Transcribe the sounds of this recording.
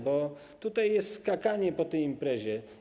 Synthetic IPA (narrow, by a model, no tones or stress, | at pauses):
bɔ | t̪ut̪ajːɛst̪skakaɲɛpɔt̪ɛjimpɾɛʑɛ